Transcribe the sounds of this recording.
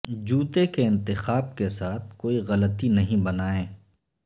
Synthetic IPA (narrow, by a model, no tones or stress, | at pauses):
d͡ʒuːt̪ekeɪ̃nt̪ɪxaːb̚kesaːt̪̚ʰkoːiɣɐlət̪inɐɦĩbɐnaːẽː